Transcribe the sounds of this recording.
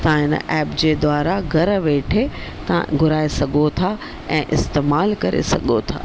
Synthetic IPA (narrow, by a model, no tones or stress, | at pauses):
t̪ãɦɪnə̰ʔɛːpd͡ʑeːd̪ʋaːɾaɡʱɐɾʋeːʈʰet̪ɐã̰ɡʱʊɾaːesɐɡʱot̪ʰa | ɛ̃ːʔɪst̪eːmaːlkɐɾḛsɐ̰ɠot̪ʰa̰ː